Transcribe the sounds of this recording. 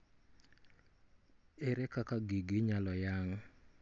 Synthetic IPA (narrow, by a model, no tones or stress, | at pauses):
eɾekakaɡiɡɪɲalɔjaŋ